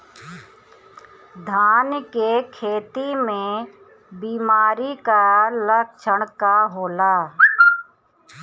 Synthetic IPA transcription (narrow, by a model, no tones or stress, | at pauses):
d̪ʱaːnkekʰeːt̪imẽ | biːmaːɾikalək̚ʃəɽ̃kaɦoːlaː